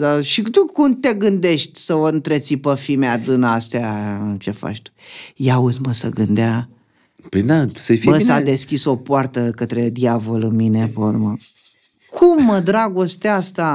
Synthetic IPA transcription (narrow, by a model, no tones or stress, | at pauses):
d̪aʃit̪ukumt̪e̞ɡɨnd̪e̞ʃt̪ʲsəoɨnt̪ɾet̪sipəfimead̪ɨnaast̪eaɨnt͡ʃe̞fa̰t͡ʃt̪u̥jauzməsə̰ɡɨnd̪ea | ped̪asəfbəsad̪e̞skʲiso̞poart̪əkət̪ɾe̞d̪javo̞lɨnminevoɾmə | kʰumːəd̪ɾaɡo̞st̪east̪a